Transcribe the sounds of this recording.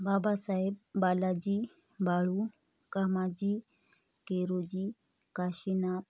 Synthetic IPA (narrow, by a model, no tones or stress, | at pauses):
babasaeb̚ːalad͡ʑiː | baɭu | kamad͡ʑi | keɾod͡ʑiː | kaɕina